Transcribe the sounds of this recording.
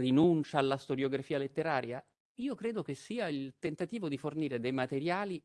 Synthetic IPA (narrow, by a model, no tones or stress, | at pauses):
rinunt͡ʃaːlːast̪oɾjoɡɾafiːalet̪ːeɾaːɾja | iːokɾeːd̪ok̟esːiːailt̪ent̪at̪iːvod̪iforniːɾed̪ejmat̪eɾjaːli